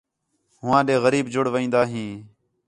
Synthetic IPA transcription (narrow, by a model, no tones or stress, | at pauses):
ɦʊʋãːɗeːɣəɾiːbd͡ʒʊɽʋəĩːnd̪aːɦĩː